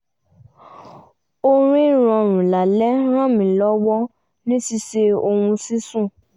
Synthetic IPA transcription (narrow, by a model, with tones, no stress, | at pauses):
o˧ɾ̃ĩ˦ɾ̃ɔ̃˨˧ɾ̃ũ˨la˨lɛ˦ɾ̃ã˦˨mĩ˨lɔ˨˦wɔ˦ | nĩ˦si˧se˧o˧ũ˧si˦sũ˦˨